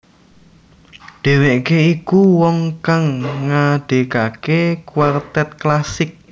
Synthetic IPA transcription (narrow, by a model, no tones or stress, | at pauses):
ɖ̪̥e̤weʔkeikuwɔŋkaŋːaɖ̥e̤kakekwart̪ɛt̪̚klasɪk̚